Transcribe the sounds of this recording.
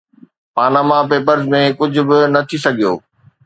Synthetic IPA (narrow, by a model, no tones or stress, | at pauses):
paːnaːmapeːpəɾzmẽkʊd͡ʑʱʊ̆bɪnɐt̪ʰisɐɡʱijo̰ː